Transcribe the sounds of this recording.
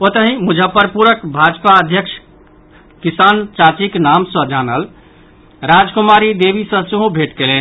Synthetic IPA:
pot̪əɦĩmud͡ʒʱəpəɾpuɾəkbʱad͡ʒpaəd̪ʱjəkʃʰ | kisant͡ʃat͡ʃiknamsə̃d͡ʒanəl | ɾad͡ʒkumaɾid̪ebisə̃seɦõbʱeʈkelen

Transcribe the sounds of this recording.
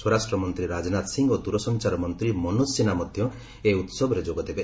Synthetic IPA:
swɔɾasʈɾɔmɔnt̪ɾiɾad͡ʒɔnat̪siŋɡod̪uɾɔsɔnt͡ʃaɾɔmɔnt̪ɾimɔnosinamɔd̪ʱjɔ | eut̪sɔbʱɔɾed͡ʒoɡɔd̪ebe

